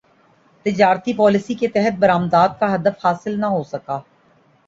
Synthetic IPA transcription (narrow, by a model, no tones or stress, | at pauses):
t̪ɪd͡ʒaːɾt̪ipɔːlɪsiket̪ɛɦət̪̚bɐɾaːmd̪aːt̪̚kaɦɐd̪əfhaːsɪlnaɦosɐkaː